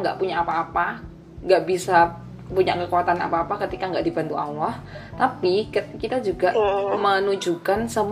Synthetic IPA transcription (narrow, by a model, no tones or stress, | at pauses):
ŋɡa̰ʔpuɲaːpaːpa | ŋɡaʔbisa | puɲakəkuwat̪ana̰paːpakət̪ikaŋɡaʔdibant̪uawaht̪apikəkit̪ad͡ʒuɡaʔmənud͡ʒukansəm